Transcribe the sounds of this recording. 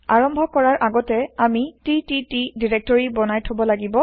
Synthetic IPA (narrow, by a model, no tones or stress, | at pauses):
aɹɔmbʱɔkɔɹaɹʔaɡɔtɛamitititidiɹɛk̚tɔɹibɔnajtʰobɔlaɡibɔ